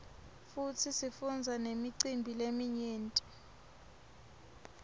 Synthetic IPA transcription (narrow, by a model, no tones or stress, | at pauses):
futʰisifund͡zʱanemiǀimbʱilemiɲeːntʼi